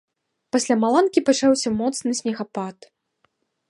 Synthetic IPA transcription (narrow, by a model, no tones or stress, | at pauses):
pasʲlʲamalˠankʲipat͡ʂawsʲɐmɔt̪snɨsʲnʲɛɣapat̪